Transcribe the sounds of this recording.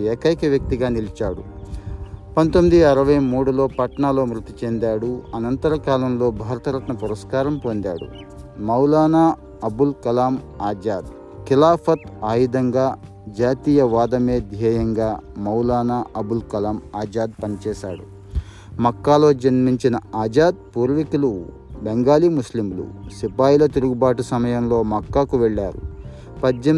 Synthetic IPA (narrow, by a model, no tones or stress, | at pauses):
eːkɐjkɐʋjɐk̚t̪iɡaːnilit͡ʃaːɽṵ | pɐnt̪omid̪iɐɾɐʋɐjmuːɽulo̞ːpɐʈɐɳaːlo̞ːmɾut̪it͡ʃend̪aːɽuɐnɐnt̪ɐɾɐkaːlɐmlo̞ːbʱaːɾɐt̪ɐɾɐʈnɐpuɾɐskaːɾɐmpond̪aːɽṵ | mɐwlaːnaː | ɐbulkɐlaːmaːd͡ʒaːd̪ | kilaːpʰɐt̪aːjid̪ɐŋɡaː | d͡ʒaːt̪iːjɐʋaːd̪ɐme̞ːd̪ʱjɛːjɐŋɡaːmɐwlaːnaːʔɐbulkɐlaːmaːd͡ʒaːd̪̚pɐnit͡ʃɛːʃa̰ːɽṵ | mɐkːaːlo̞ːd͡ʒɐnmiɲt͡ʃinɐaːd͡ʒaːd̪̚puːɾʋikulu | beŋɡaːliːmuslimlṵsipaːjilɐt̪iɾuɡubaːʈusɐmɐjɐmlo̞ːmɐkːakuʋɛɭːaːɾṵ | pɐd͡ʒjɐ